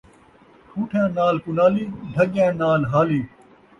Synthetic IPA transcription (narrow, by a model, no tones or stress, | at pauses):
ʈʰuːʈʰjãːnaːlkʊnaːliːɖʱəɠjãːnaːlɦaːliː